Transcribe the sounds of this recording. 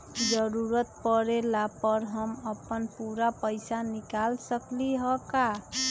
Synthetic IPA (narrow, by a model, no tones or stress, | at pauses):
d͡ʒəɾuɾət̪pəɾelapəɾɦʌməpənpuɾapəjsanikalsəkliɦʌka